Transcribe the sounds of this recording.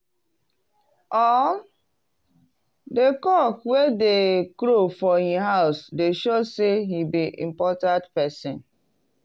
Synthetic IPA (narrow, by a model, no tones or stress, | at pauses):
ɔ | dekɔkwedekɾofɔhiɦaʊsdeʃoseɦibiʔḭ̃mpɔtãntpɛsɪ̃n